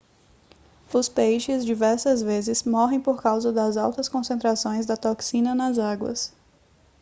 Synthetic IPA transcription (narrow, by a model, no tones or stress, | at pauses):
ʊspejʃɪzd͡ʒivɛɾsɐzvezɪsmɔɦẽj̃poɾkawzɐd̪ɐzawt̪ɐskõsẽnt̪ɾasõj̃zd̪ɐt̪oksĩnɐnɐzaɡwɐ̰s